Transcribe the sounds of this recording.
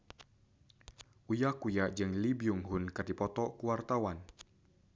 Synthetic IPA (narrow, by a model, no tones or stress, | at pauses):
ʔujakujad͡ʒɨŋlibiuŋɦunkɨrdipɔt̪ɔkuwart̪awan